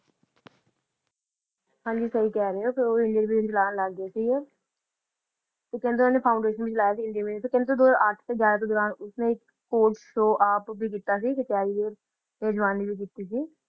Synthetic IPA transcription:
hãːɲd͡ʒiːsəiːkɛːɾəeoːpʰɪɾoːɪ̃ɳɖiəɾbiːt͡ʃəlaːnləɡːeːsiːɛː | t̪eːkɛ̃nd̪oːnẽːpʰaːʊɳɖeːʃənbiːt͡ʃəlaːjaːsiːɪɳɖijəmẽːt̪eːkẽːnd̪oːd̪oːzaɾəʈʰt̪eːɡaːɾaːt̪oːd̪ɔːɾaːnʊsnẽːɪkːoːʈʃoːʔaːpbiːk̬iːt̪aːs̬iːset͡ʃaːiiəɾ | nɛːd͡ʒʋaːniːbiːk̬iːt̪iːs̬iː

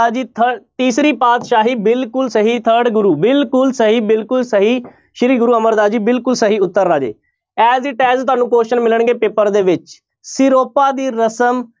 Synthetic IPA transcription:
aːd͡ʒiːt̪ʰət̪iːsɾiːpaːt̪ʃaːɦiːbɪlkʊlsəɦiːt̪ʰəɾɖɡʊɾuːbɪlkʊlsəɦiːbɪlkʊlsəɦiː | ʃɪɾiːɡʊɾuːəməɾd̪aːd͡ʒiːbɪlkʊlsəɦiːʊt̪ːəɾːaːd͡ʒḛː | ɛːziːʈɛːst̪ʊaːnũːkoːʃənmɪləɳɡeːpeːpəɾd̪eːʋɪt͡ʃ | sɪɾoːpaːd̪iːɾəsəm

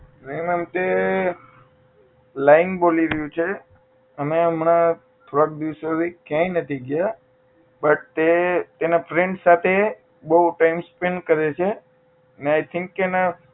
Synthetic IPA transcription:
ɾeimemt̪e | laɪŋɡboliɾəɦjũt͡ʃʰe | əmeəmna | t̪ʰoɾɽak̚d̪iʋsoʋikjãjnət̪ʰiɡja | bəʈ̚t̪et̪enapʰɾẽɳɖsat̪ʰe | bəʈaimspeɳkəɾet͡ʃʰe | əneajt̪ʰɪ̃ŋkːena

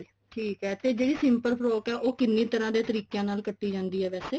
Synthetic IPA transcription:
ʈʰiːkɦɛːt̪eːd͡ʒeːɽiːsɪ̃mpəɾpʰɾoːkɛːʔoːkɪnːĩːt̪əɾãːd̪eːt̪əɾiːkjãːnaːlkəʈːiːd͡ʒãːnd̪iːɛːʋɛːseː

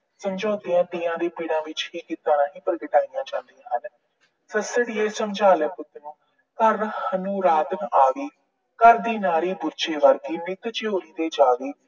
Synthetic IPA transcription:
səmd͡ʒoːt̪ijãːʈiːãːd̪eːpiːɽãːʋɪt͡ʃɦiːkiːt̪ãːnaːɦĩːpəɾɡɪʈaːijãːd͡ʒãːnd̪iːãːɦən | səsəɽiːeːsəmd͡ʒaːləpʊt̪nũː | kəɾhənũːɾaːd̪ənaːʋiː | kəɾd̪iːnaːɾiːbʊɾt͡ʃeːʋəɾɡiːmɪk̪t͡ʃɪoːɾiːd̪eːd͡ʒaːɡiː

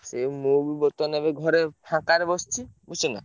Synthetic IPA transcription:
semubibɔt̪ɔnebeɡʱɔɾepʰãkaɾebɔst͡ʃʰibusina̰

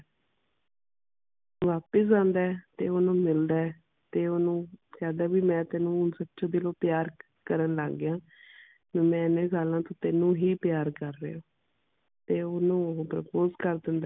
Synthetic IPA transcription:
ʋaːpəs̬ãːnd̪aːt̪eːʊnũːmɪld̪aː | t̪eːʊnũːkɛːd̪aːbiːmɛ̃ːt̪eːnũːsətːʃaːd̪ɪloːpɪjaːɾ | kəɾənla̰ːɡɪjãː | meːmɛ̃ːɪnẽːsaːlãːt̪õːt̪enũːɦiːpjaːɾkəɾːḛːoː | t̪eːʊnũːpɾəpoːzkəɾd̪ɪnd̪aː

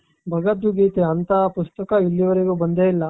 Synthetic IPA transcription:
bʱɐɡɐd̪uɡiːt̪eɐnt̪ɐpust̪ɐkɐilːiʋɐɾiɡubɐnd̪eːilːɐ

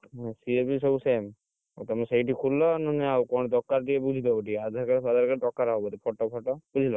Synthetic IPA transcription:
siepisɔbusem | at̪ɔmseiʈikʰullɔnɔnɛawkɔɽ̃d̪ɔkːaɾʈiebud͡ʒʱit̪ɔbaʈiad̪ʱaɾkaɾad̪ʱaɾkaɾdɔkːaɾaɦɔbɔt̪ipʰɔʈɔpʰɔʈɔbud͡ʒʱilɔ

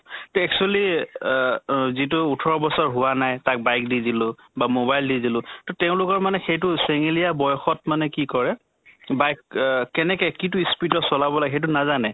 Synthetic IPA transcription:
tɔɛk̚t͡ʃuali | zit̬ʊːtʰɔɹɔbɔsɔɹɦʊwanajtak̚bajk̚didilʊ | bamobajldidilʊ̃tɔtɛʊ̃lʊkɔɹmanɛxejtʊseŋilijabɔjɔxɔtmanɛkikɔɹɛ | bajkkɛnɛkɛkit̬ʊispitɔsɔlabɔlaɡxejt̬unazanɛ

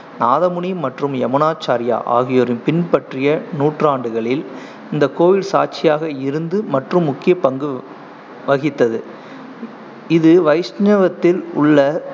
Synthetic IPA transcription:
naːðɐmʊɳɪmːɐʈrɯmɛmɐnaːt͡ʃːaːɾɪja̰ːʔa̰ːɣɪjoːɾɪnpɪnpɐʈrɪjɐnuːʈraːɳɖɯɣɐɭɪl | ɪnd̪ɐkːoːʋɪlsaːʈt͡ʃɪjaːɣɐɪɾɯnd̪ɯmɐʈrɯmːʊkːɪjɐpɐŋɡɯ | ʋɐɣɪt̪ːɐðɯ | ɪðɯʋɐɪsɲɐʋɐt̪ːɪlʊ̰ɭːɐ

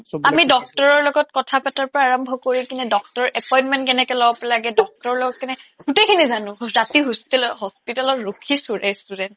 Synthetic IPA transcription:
amidɔk̚tɔɹɔɹlɔɡɔt̚kɔtʰapataɹpɔɹaːɹɔmbʱɔkoɹikintudɔktɔɔʔɛpɔjnmɛntkɛnɛkɔlɔbɔpɛlaɡɛdɔk̚tɔɹɔɹlɔɡɔt̚kɛnɛɡ̥utejkʰinizanʊ̃ɹatiɦustilɦɔspitalɔtɹokʰisuɹɛstudɛnt

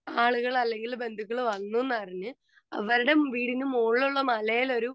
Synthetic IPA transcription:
aːɭuɣɐɭɐlːe̞ŋɡilbe̞nd̪ʱukʲːɐɭʋɐnːuenːɨpɐriɲːɨ | ɐʋɐɾuɽe̞ʋiːɽinumuːɭːuɭːɐmɐlɐjilo̞ɾu

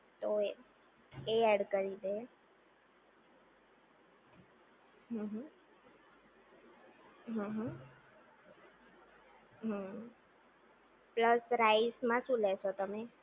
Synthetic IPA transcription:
t̪oe | eɛɽkəɾid̪əe | ɦə̃ɦə̃ | ɦə̃ɦə̃ | ɦə | pləsɾaismãʃũleʃot̪əme

